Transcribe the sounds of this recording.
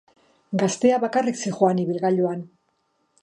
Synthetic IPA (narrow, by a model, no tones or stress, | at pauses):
ɡast̪e̞aβakariksixoaniβilɣaʎoan